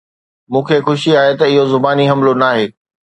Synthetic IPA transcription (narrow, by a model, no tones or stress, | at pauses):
mũːkʰeːxʊʃiaːɦet̪ɐɪɦozʊbaːniɦɐ̃mlonaːɦeː